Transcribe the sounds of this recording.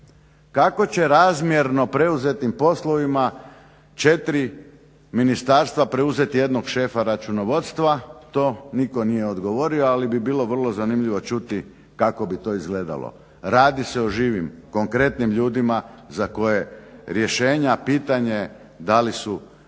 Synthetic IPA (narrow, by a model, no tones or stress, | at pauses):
kako̞t͡ɕe̞ɾaːzmje̞ɾno̞pɾe̞uze̞t̪impo̞slˠo̞ʋima | t͡ʃet̪ɾi | minist̪aːɾst̪ʋapɾe̞uze̞t̪ije̞d̪noɡʃe̞ːfaɾat͡ʃunoʋo̞t̪st̪ʋat̪o̞ːniko̞nije̞od̪ɡo̞ʋo̞ɾioalibibiːlˠo̞ʋr̩lˠo̞zanimʎiʋo̞t͡ʃut̪i | kako̞bit̪o̞ːizɡle̞ːd̪a̰lˠo̰ | ɾaːd̪ise̞oʒiːʋimko̞ŋkɾe̞t̪nimʎuːd̪imazako̞je̞ɾje̞ʃe̞ːɲapiːt̪aɲe̞ | d̪alisu